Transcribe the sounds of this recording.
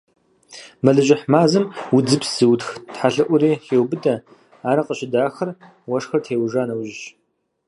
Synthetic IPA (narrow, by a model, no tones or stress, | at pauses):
mɐɮɨʒɪħmaːzɨmwʊd͡zɨpsz̥ɨwtxtħaɬɨʔʷʊɾiːxeːwbɨdɐ | aːɾɐqəɕɪdaːxɐr | wɐʂxɐrtʰeːwʒʷaːnɐwʒɪɕ